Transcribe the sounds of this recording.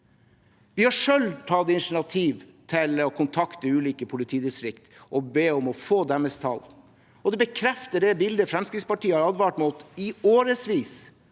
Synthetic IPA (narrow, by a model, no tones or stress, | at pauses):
ʋɪhɑʂœlt̪ʰɑːd̪ɛɪnʂɳɑt̪ʰiːʋ | t̪ʰɪlɔkʰʊnt̪ʰɑkt̪əʉːliːkəpʰʊlɪt̪ʰiːd̪ɪst̪ɾɪkt̪ɔbeːɔmɔfoːd̪ɛmːəst̪ʰɑ̰l | ɔd̪ɛbəkʰɾɛft̪əɖɛbɪld̪əfɾɛmskɾɪt̪spɑʈiːəhɑɾɑd̪ʋɑːʈmʊt̪ɪoːɾəsʋiːs